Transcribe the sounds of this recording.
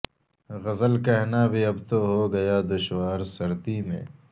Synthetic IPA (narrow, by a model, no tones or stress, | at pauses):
ɣɐzəlkɛɦnabʱiɐbt̪oɦoɡɐjaːd̪ʊʃwaːɾsɐɾt̪imḛ̃ː